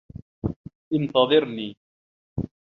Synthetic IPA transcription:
ʔɪnt̪ɑðˤɨɾniː

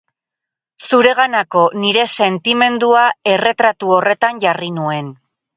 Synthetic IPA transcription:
suɾe̞ɣanako̞niɾe̞se̞nt̪ime̞nd̪uae̞re̞t̪ɾat̪uo̞re̞t̪anʝarinue̞n

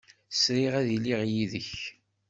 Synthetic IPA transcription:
sɾiʁæðiliʁjiðəç

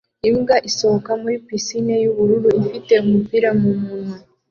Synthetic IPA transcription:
imɡaʔiso̞okamuɾipisinejuβuɾuɾuifite̞umupiɾamumuːnu

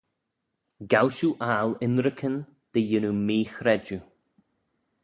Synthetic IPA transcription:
ɡawʃuʔaːlɪnɾəkʰən | d̪̥əjɪnumiːxɾɛd͡ʒu

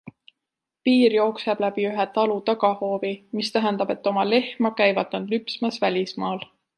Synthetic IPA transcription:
piːrjo̞ːkseb̥læb̥iyɦɛt̪ɑlut̪ɑɡɑho̞ːvimist̪æɦænd̪̥ɑbe̞t̪ːo̞mɑle̞hmɑkæjvɑd̪̥̚nɑd̪̥lypsmɑsvælʲismɑːl

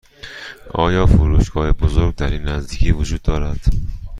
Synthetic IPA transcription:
ʔɒ̰ːjɒːfuɾuʃɡɒːhebozoɾɡ̚d̪æɾiːnːæzd̪iːkʰiːvʊd͡ʒuːd̪̚ːɒːɾæd̪̥

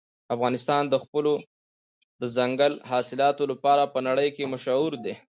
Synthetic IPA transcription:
afɣɑnɪst̪ɑnd̪əxpəlo | d̪əzaŋɡəlɦɑsɪlɑt̪olapɑɾapənaɽəjkemʊʃauɾd̪e

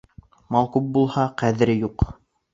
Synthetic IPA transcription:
mɑlˠqup̚bulˠhɑqæðɘ̆ɾɘjuq

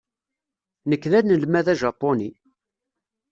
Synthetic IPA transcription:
nəkːðænəlmæðæʒɑpːoni

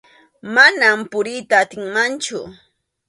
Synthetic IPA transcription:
manampʊɾijt̪aːt̪ɪŋmant͡ʃʊ̰

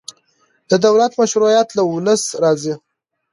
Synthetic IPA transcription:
d̪̥əd̪awlat̪maʃɾujat̪laʊləsɾɑzi

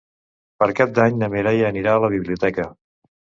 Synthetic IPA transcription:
pəɾkap̚d̪aɲnəmeɾajəniɾaːləβ̞iβliut̪ɛkə

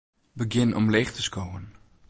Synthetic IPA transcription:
bəɡɪnɔ̰mleːχtəskowən

